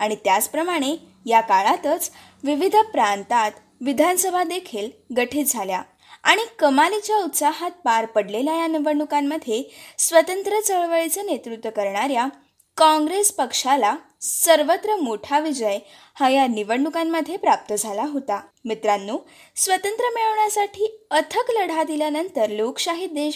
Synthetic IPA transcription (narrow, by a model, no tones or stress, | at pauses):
aɽ̃it̪jat͡spɾəmaɽ̃e | jakaɭat̪ət͡s | ʋiʋid̪ʱpɾant̪at̪ | ʋid̪ʱansəbʱad̪ekʰiːlɡəʈʰiːtd͡zʱalja | a̰ɽ̃ikəmalit͡ɕjaut̪saɦat̪̚paɾpəɽleljajaniʋəɳɖukamːəd̪ʱːjesʋət̪ənt̪ɾət͡səɭʋəɭit͡sənet̪ɾut̪ʋəkəɾɳaɾja | kɔ̃ŋɡɾespəkʂala | səɾʋət̪ɾəmoʈʰaʋid͡ʑəj | hajaniʋəɳɖukamːəd̪ʱːjepɾap̚t̪əd͡zʱalaɦot̪amit̪ɾanːuː | sʋət̪ənt̪ɾəmeɭəʋɳjasaʈʰiːət̪ʰəkləɽ̤ad̪iljanənt̪əɾlokɕaɦit̪̚d̪e